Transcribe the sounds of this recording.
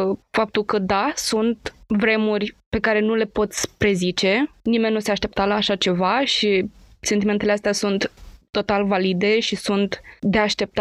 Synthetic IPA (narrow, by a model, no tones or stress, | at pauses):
fap̚t̪ulkəd̪asunt̪vɾe̞murʲpe̞kaɾe̞nule̞po̞t̪sʲpɾe̞zit͡ʃe̞nime̞nʲːnuseaʃt̪e̞p̚t̪alaːʃat͡ʃe̞vaʃise̞nt̪imet̪eleast̪ʲasunt̪ːo̞t̪alvalid̪e̞ʃisunt̪d̪e̞aʃt̪e̞p̚t̪a